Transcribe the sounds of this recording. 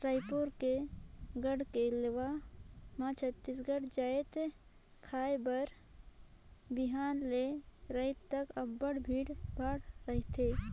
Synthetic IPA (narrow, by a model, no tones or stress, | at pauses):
ɾajpoɾkeɡəɽkeleʋamãt͡ʃʰət̪ːis̬ɡəɽd͡ʒaːet̪ | kʰaːjbəɾ | biɦaːnleɾəɪt̪t̪ːəkəbːəɽbʱiːɽbʱaːɽɾəɦt̪ʰe